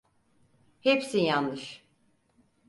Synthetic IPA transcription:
hepsijanːɯʃ

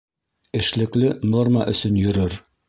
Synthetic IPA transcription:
ɘ̆ʃlɘ̆klɘno̞rmɑʔɵ̆sɵnjɵ̆ɾɵɾ

